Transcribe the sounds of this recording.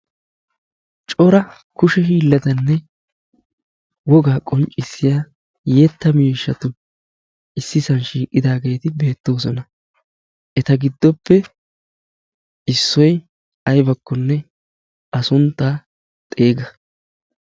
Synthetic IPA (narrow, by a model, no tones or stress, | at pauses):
t͡ʃʼɔɾɐ | kʊʃɛhiːlːɐd̪ɐnːɛ | wɔɡaːkʼɔnt͡ʃʼːɪsːɪjaː | jɛt̪ːɐmiːʃːɐt̪ʊ | ɪsːɪsɐnʃiːkʼːɪd̪aːɡe̞ːt̪ɪbe̞ːt̪ːo̞ːsɔnɐ | ʔɛt̪ɐɡɪd̪ːɔpːɛ | ɪsːɔj | ɐjbɐkːɔnːɛ | ʔɐsʊnt̪ːaː | t̪ʼe̞ːɡɐ